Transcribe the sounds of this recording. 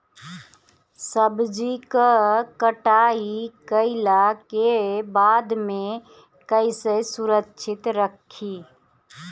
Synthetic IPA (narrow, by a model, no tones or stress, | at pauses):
səbd͡ʒikəkəʈaːikəɪlakebaːd̪mẽ | kəɪsesʊɾətːʃʰɪt̪ɾəkʰːiː